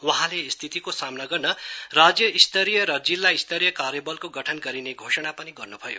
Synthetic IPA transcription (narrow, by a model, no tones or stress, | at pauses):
wʌɦãlest̪ʰit̪ikosamnaɡʌrnʌrad͡zjʌist̪ʌɾijʌɾʌd͡zilːajist̪ʰʌɾijʌkaɾjʌbʌlkoɡʌʈʰʌnɡʌɾineɡʱosʌɽ̃apʌniɡʌrnubʱʌjo̰